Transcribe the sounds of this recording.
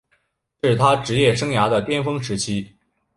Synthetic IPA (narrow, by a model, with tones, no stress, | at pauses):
ʂɻ̩˥˩t̪ʰa˥ʈ͡ʂɻ̩˧˥jɛ˥˩ʂɤ˥ŋja˧˥d̪ə˨t̪jɛ˥nfɤ˥ŋʂɻ̩˧˥t͡ɕʰi˥